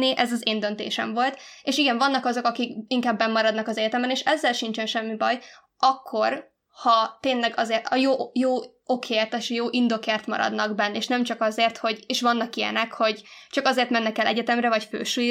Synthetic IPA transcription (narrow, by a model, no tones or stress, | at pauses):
iʔɛzɒzeːnd̪ønt̪ḛːʃɛ̰ɱvo̞lt̪eːʃiɡɛɱvɒnːɒkɒzo̞kɒkikiŋkaːbːɛmːɒɾɒd̪nɒkɒzɛɟɛt̪ɛmbɛneːʃɛzːɛlʃiɲt͡ʃɛnʃɛmːibɒj | ɒkʰːo̞r | hɒt̪eːnlɛɡɒzeːrt̪ɒjoːjoː | okʰeːrt̪eʃjoːʔind̪o̞keːrt̪mɒ̰ɾɒ̰d̪nɒɡbɛnːeːʃnɛmt͡ʃɒkɒzeːrt̪ho̞ɟeːʃʋɒnːɒkijɛ̰nɛkho̞ɟt͡ʃɒkɒzeːrt̪mɛnːɛkɛlʔɛɟɛt̪ɛmrɾɛvɒcfø̰ːʃu